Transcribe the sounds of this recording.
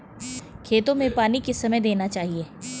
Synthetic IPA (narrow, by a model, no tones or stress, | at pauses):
kʰeːt̪õmẽpaːnikesɐməjd̪eːnat͡ʃaːɦieː